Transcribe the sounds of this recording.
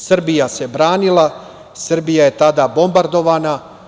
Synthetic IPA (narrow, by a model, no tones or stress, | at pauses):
sr̩bijase̞bɾaːnilˠa | srbijaje̞t̪ad̪aːbo̞mbaɾd̪o̞ʋaːna